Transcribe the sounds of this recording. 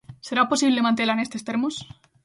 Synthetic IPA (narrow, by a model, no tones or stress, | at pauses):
se̞ɾaposiβlemãnt̪̬elanest̪est̪eɾmus